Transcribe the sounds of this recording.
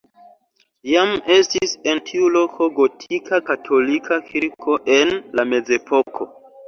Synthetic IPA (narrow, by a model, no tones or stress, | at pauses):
jame̞stise̞ntʰiulo̞kʰo̞ɡo̞tʰikakatʰo̞likʰakʰiɾkʰo̞ʔe̞nlame̞ze̞pʰo̞kʰo̞̰